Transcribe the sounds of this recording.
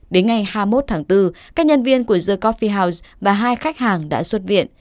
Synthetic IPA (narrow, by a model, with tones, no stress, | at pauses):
ɗe˨˦nŋa˨˩jhaː˧mo˦˥t̚t̪ʰaː˨˦ŋt̪ɨ˧kaː˦˥k̚ɲə˧nvi˧ənku˧˩əzəː˧kɔ˦˥fi˧ɦaː˧wzvaː˨˩ɦaː˧jxa˦˥jk̚haː˨˩ŋɗa̰ː˧˥swə˦˥t̚vḭ˧˨ən